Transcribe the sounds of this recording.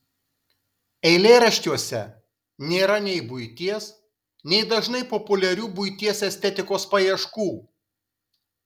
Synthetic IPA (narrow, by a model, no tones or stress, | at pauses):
ɛɪlʲeːɾɐʃʲt̪ʲuɔsʲɛ | nʲeːɾɐnʲɛɪbʊɪt̪ʲiɛs | nʲɛɪd̪ɐʒnɐɪpɔpʊlʲɛɾʲuːbʊɪt̪ʲiɛsɛsʲt̪ʲɛt̪ʲɪkoːspɐjiɛʃkuː